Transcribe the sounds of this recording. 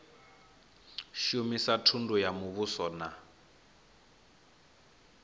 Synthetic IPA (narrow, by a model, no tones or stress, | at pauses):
ʃumisatʰundujamuβusɔna